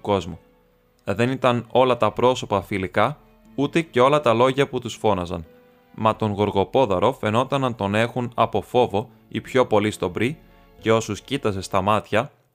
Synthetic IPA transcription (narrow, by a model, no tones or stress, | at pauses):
ko̞zmu | ðe̞nit̪ɐno̞lɐt̪ɐpɾo̞so̞pɐfilikɐ | ut̪e̞ce̞o̞lɐt̪ɐlo̞ʝɐput̪usfo̞nɐzɐ̰n | mɐt̪o̞ŋɣo̞ɾɣo̞po̞ðɐɾo̞fe̞no̞t̪ɐnɐnt̪o̞ne̞xunɐpo̞fo̞vo̞ | ipço̞po̞list̪o̞bɾi | ce̞o̞suscit̪ɐze̞st̪ɐmɐt̪çɐ